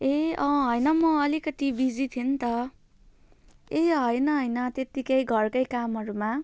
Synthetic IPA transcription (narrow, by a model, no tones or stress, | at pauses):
eʌ̃ɦʌjnʌmʌʌlikʌt̪ibid͡zit̪ʰint̪ʌ | eɦʌjnʌɦʌjnʌt̪et̪ikʌjɡʱʌrkʌjkamɦʌɾuma